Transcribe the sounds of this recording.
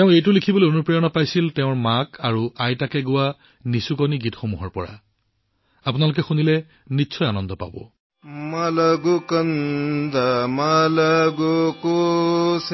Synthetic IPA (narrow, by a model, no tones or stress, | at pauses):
teʊ̃ejtʊlikʰibɔlojonupɹijɔnɔpajsilteʊ̃ɹmakʰaɹuajtakɛɡʊwa | nisukoniɡitxomuɦɔɹpɔɹa̰ | apʊnalʊk̬ɛxunilɛ | nisʰɔjanɔndɔpa̰bɔ̰ | malaɡukand̪amalaɡokos